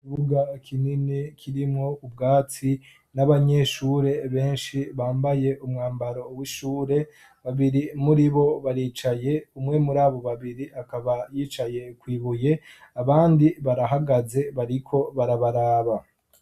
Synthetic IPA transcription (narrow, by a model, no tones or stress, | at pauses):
uβuɡakʰininikʰiɾimŋo̞ubɡaːt͡si | naβaɲe̞ʃuɾe̞βe̞ːnʃiβaːmbaje̞ʔumŋaːmbaɾo̞wiʃuːɾe̞ | βaβiɾimuɾiβo̞βaɾiːt͡ʃaje̞umŋe̞muɾaːβo̞βaβiɾiakaβajiːt͡ʃaje̞kwiːβuje̞aβaːndiβaɾaɦaɡaze̞βaɾikʰo̞βaɾaβaɾaːβa